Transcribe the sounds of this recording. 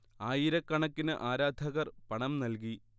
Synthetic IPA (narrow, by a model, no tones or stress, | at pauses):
aːjiɾɐkːɐɳɐkːinɨʔaːɾaːd̪ʱɐɣɐrpɐɳɐmnɐlk̬i